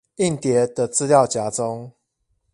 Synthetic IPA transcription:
i˥˨nt̪jɛ˨˦d̪ə˨t͡sɹ̩˦ljɑ˥˨ʊt͡ɕja˨˥t͡so˦ŋ

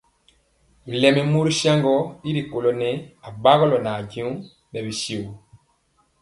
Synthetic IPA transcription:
bi˨lɛ˨mɛ˨mu˦ɾi˦ʃa˦ŋɡɔ˦i˦ɾi˨ko˨lɔ˨nɛ˦a˨ba˦ɣɔ˦lɔ˨na˨ɟĩ˦u˦ | nɛ˨bi˨ʃi˨wu˨

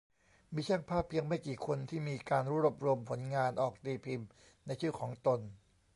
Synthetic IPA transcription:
miː˧t͡ɕʰa˥˩ŋpʰaː˥˩pʰːi˧əŋma˥˩jkiː˨˩kʰo˧nt̪ʰiː˥˩miː˧kaː˧nɾuː˦˥ɾu˧˩p̚ɾu˧əmpʰo˩˦nŋaː˧nʔɔː˨˩k̚t̪iː˧pʰi˧m | na˧jt͡ɕʰɯ˥˩kʰɔː˩˦ŋt̪o˧n

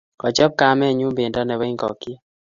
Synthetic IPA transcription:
kɔ˨d͡ʒɔ˦b̚ka˦mɛ˦˨ɲu˦mbɪ˨ndɔ˦nɛ˨we˦ŋɡɔ̰˨ki˦

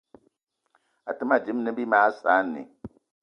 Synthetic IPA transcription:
a˨tɨ˦ma˦d͡ʒɪ˨˦m˦nɨ˦bi˦maː˦saː˦nːɨ̰˨

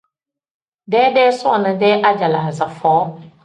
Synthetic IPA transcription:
dɛː˦dɛː˦sʊ˦a˨nɨ˦dɛː˦ʔa˦d͡ʒa˨la˨zə˨fɔː˨˦

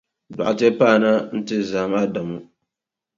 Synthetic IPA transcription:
da̰˨ʔa˨te˦paː˦˨na˦n̩˦tɨ˦zaː˨maː˦da˨mu˦

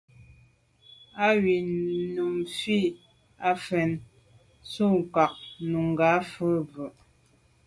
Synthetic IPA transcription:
a˦ɥi˨nu˨mfi˦˨ | a˦fɛ˨n | su˦˨ŋka˨k̚nu˨ŋ˨ɡa˨˦fə˦bʉ˨ʔ

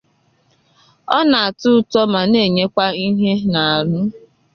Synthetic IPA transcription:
ɔ˦na˨a˨tʊ˦tɔ˦ma˨ne˦˨ɲe˦kʷa˦i˦ɦe˦na˨a˨ɾʊ˦

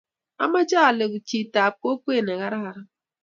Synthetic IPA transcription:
a̰˦ma˦d͡ʒa˦a˨le˨ɡu˨t͡ʃi˨ta˨p̚ko˦kʷe˦˨ne˨ɣa˦ɾa˦ɦa˦ɾa˦

